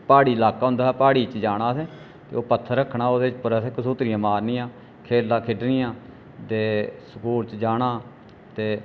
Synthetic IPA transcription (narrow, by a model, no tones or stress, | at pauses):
paːɽiːɪlaːkaːɦʊ̃nd̪aːɛːpaːɽiːt͡ʃd͡ʒaːɽ̃aːseː | t̪ḛːoːpət̪ʰːəɾːəkʰːɳaːoːd̪eːt͡ʃpəɾəseːkəsoːt̪ɾɪjãːmaːɾniːãː | kʰeːlːãːkʰɪɖniːãː | t̪eːsəkuːɾt͡ʃd͡ʒaːɽaː | t̪eː